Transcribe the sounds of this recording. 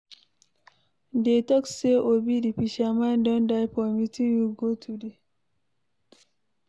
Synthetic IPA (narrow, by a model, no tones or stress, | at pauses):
detɔkseʔobidipiʃamandɔndajpɔmitinjuɡotʰude